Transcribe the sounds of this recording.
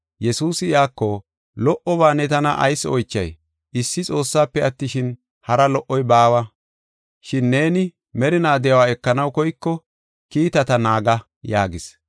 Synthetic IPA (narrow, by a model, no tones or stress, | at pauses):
jɛsuːsɪɪaːkːɔ | lɔʔɔbaːnɛt̪ɐnɐʔɐ̰jsːɔjt͡ʃːɐ̰j | ɪsːɪt͡sʼo̞ːsːaːpːɛɐt̪ːɪʃɪn | hɐɾɐlɔʔːɔjbaːwɐ | ʃɪnːe̞ːnɪ | mɛɾɪnaːd̪ɛjɐwaːɛkːɐnɐwkɔjkːɔ | kiːt̪ɐt̪ɐnaːɡɐ | jaːɡɪs